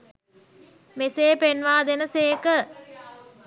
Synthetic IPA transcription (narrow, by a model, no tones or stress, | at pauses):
meseːpenʋaːd̪enəseːkə